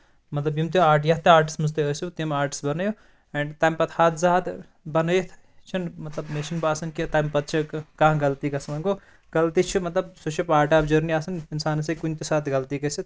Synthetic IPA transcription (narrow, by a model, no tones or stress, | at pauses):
mɐt̪lɐbjimt̪iaːɾʈjɐɦt̪eaːɾʈi̥smɨzt̪eəːsut̪imaːɾʈi̥sbɐnɐjo | eɳɖt̪aːmpɐt̪ʰhaːt̪zaːd̪ | bɐnəjit̪ʰ | t͡ʃʰɐnmɐt̪lɐbmeʃinbaːsɐnkit̪aːmpɐt̪̚t͡ʃʰikɐɦãɡɐlt̪ikɐsmɐnɡo | ɡɐlt̪it͡ʃʰimɐt̪lɐbsot͡ʃʰipaːɾʈaːbd͡ʒɐɾniaːsɐninsaːnsɐkunt̪esaːt̪ʰɡɐlt̪ikɐsit̪